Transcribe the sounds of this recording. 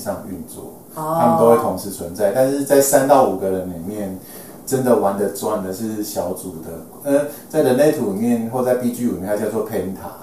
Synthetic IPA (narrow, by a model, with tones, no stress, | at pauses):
ʂɑ˥˧ŋy̰˥˧nt͡swɔ̰˥˩ | a˥mə˨nt̪o˥ʊwe˥˩ɪt̪ʰʊ˧˥ŋʂɻ̩˥˩t͡sʰwə˧˦nt͡sa˥˩ɪt̪a˥˧nʂ̬ɻ̩˥˧t͡sa˥˩ɪsa˥˦nt̪ɑ˥˩ʊu˨˩ɡə˨˦ɻə˧˦nli˨˩mjɛ˥˩n | ʈ͡ʂə˦nd̪ə˨wa˧˦nd̪ə˨t͡swa˥˩nd̪ə˨ʂɻ̩˥˩ɕjɑ˧˦˥ʊt͡su˨˩d̪ə˦ | ə˦t͡sa˥˩ɪɻə˧˦nle˥˩ɪt̪ʰu˨˥li˨˩mjɛ˥˧˨nxwo˥˧t͡sa˥˧ɪpi˥˧t͡ɕy˥˧i˨jɛ˥˧˨ja˥˧t͡ɕjɑ˥˧t͡swɔ˥˨pʰe˧ɪi˧˥ŋt̪ʰa̰˨˩˦